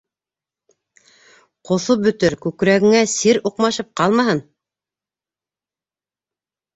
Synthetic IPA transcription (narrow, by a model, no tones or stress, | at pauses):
qŏθobɵ̆t̪ɘɾkʉkɾæɡɘ̆ŋæsiɾuqmɑʃɤp̚qɑlˠmɑɦɤn